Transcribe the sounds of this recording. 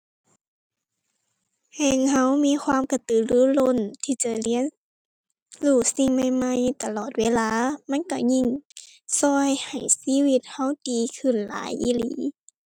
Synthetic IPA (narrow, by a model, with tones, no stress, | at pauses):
hɛː˧˨ŋha˧˥˨wmiː˧˥˨xʰwaː˧˥˨mka˧˩t̪ɯː˧˨lɯː˧˦lo˧˥˨nt̪ʰiː˧˩t͡ɕa˧˩li˧˥˨ə˨n | luː˧˩si˧˩ŋma˧˩jma˧˩jt̪a˧lɔː˨˩t̪̚weː˧˥˨laː˧˥˨ma˧˥˨nka˧˩ɲi˧˩˨ŋ | sɔː˧jha˨˩jsiː˧˥˨wi˧t̪̚ha˧˥˩wdiː˨kʰɯ˧˩˨nla̰ː˨˦jʔḭː˧˥˨lḭː˨˦